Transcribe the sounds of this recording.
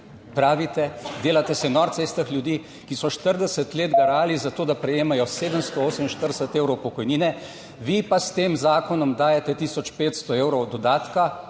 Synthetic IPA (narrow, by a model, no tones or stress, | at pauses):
pɾaːʋit̪ɛd̪eːlat̪ɛsɛnɔɾt̪seːst̪əxljud̪iː | kisɔʃt̪əɾd̪ɛsət̪leːd̪ɡaɾaːlizat̪oːd̪apɾɛjeːmajɔseːd̪əmst̪ɔoːsəminʃt̪əɾd̪ɛsət̪eːwɾɔwpɔkɔjniːnɛ | ʋipast̪eːmzaːkɔnɔmd̪aːjɛt̪ɛt̪iːsɔt͡ʃpeːt̪st̪ɔeːwɾɔwd̪ɔd̪aːt̪ka